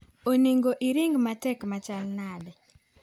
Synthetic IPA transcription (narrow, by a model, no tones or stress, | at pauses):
oniŋɡoʔiɾiŋɡmatɛkmat͡ʃalnadɛ